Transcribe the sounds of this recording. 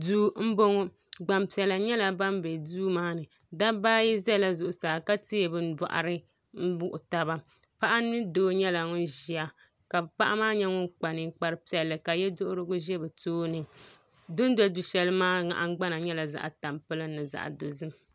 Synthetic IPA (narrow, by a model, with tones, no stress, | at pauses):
duː˦m̩˦bo˦ŋo˦ | ɡ͡ba˨mpi˨ɛ˨la˨ɲɛ˦la˨ba˦mbe˨duː˦maː˦nɨ˨ | da˦baː˦ji˦zɛ˦˨la˦zʊ˨ʔʊ˨saː˨ka˦ti˦ɛ˨bɨ˦n˦da̰˨ʔa̰˨ɾɨ˦ | n̩˦bʊ˦ʔʊ˨ta˦ba˦ | pa˦ʔa˦nɨ˦doː˦ɲɛ˦la˨ŋʊ˦nʒi˨a˨ | ka˨pa˦ʔa˦maː˦ɲɛ˦ŋʊ˦nk͡pa˨nɨ˨k͡pa˨ɾɨ˨˦pi˨ɛ˨lːɨ˨ka˨jɛ˦dʊ˦ʔʊ˦ɾɨ˦ɡʊ˦ʒɛ˦bɛ˨toː˦nɨ˨ | dʊ˦n˦da˦˨du˨ʃɛ˨lɨ˦maː˦ŋa̰˨ʔa˦ŋ˦ɡ͡ba˦na˨ɲɛ˦la˨za̰˨ʔa˨ta˨mpɨ˦lɨ˦nːɨ˨za̰˨ʔa̰˨do˨zɨ˦m